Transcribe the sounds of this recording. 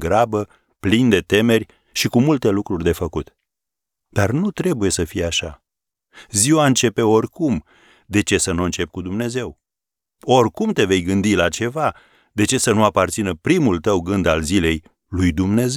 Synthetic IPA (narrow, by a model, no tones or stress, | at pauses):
ɡɾabə | plind̪e̞t̪e̞me̞rʲ | ʃikumult̪e̞lukɾurʲd̪e̞fəkut̪ | d̪̥arnut̪ɾe̞buje̞səfijaʃa | ziwaɨnt͡ʃe̞pe̞o̞rʲkum | d̪e̞t͡ʃe̞sənuɨnt͡ʃe̞p̚ʲkud̪umne̞ze̞w | o̞rʲkumt̪e̞ve̞jɡɨnd̪ilat͡ʃe̞va | d̪e̞t͡ʃe̞sənuapart̪sinəpɾimult̪əwɡɨnd̪alzile̞j | lujd̪umne̞ze